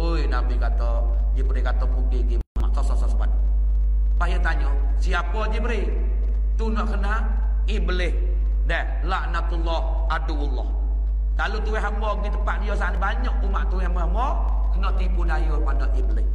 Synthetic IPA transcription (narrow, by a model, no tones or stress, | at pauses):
ojnabikat̪ɔ | d͡ʒibɾikat̪ɔmuɡiɡimaa̰ma̰ʔsɔsɔsɔsəba̰t̪̚ | pajat̪aɲɔ | siapɔd͡ʒibɾi | t̪unɔʔkəna | ibəlɪh | dɛh | laʔnat̪ulːɔh | aduwulːɔh | kalut̪uwɛɦambɔɡit̪əpaʔdijɔsalibaɲɔk̚t̪umaʔt̪uwehambɔhambɔ | kənɔʔt̪ibudajurpadɔʔʔiblɪh